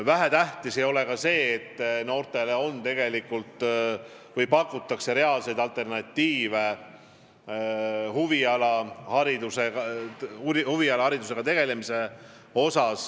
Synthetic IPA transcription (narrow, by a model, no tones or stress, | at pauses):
væɦæt̪æht̪isejo̞le̞kɑse̞ːt̪ːno̞ːrt̪ˑe̞leo̞nt̪e̞ɡe̞likːult̪ˑ | vɤjpɑkːut̪ːˑɑkse̞ɾe̞ɑlse̞jd̪̥ɑlt̪ːˑe̞rnɑt̪ʲːiːve | huviɑlɑhɑɾid̪useɑ | huviɑlɑhɑɾid̪use̞ɡ̥ɑt̪e̞ɡ̥e̞le̞mise̞ | o̞sɑs